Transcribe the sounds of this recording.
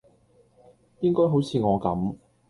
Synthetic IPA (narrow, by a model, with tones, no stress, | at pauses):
jɪ˥ŋkɔː˥jɦo˨˥wt͡sʰiː˨˧ŋɔː˨˧kɐ̰˨˥m